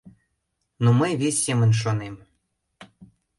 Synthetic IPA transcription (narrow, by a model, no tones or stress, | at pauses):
noməjvʲesʲːemə̆nʲʃ̬onem